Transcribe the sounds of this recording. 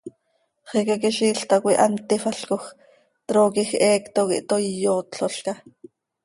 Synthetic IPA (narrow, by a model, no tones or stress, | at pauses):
χikakiʃiːɬt̪akʷiʔɑnt̪ifɑɬkox | t̪ɾoːkixʔɛːkt̪okḭʔt̪ojjoːt̪ɬoɬkɑ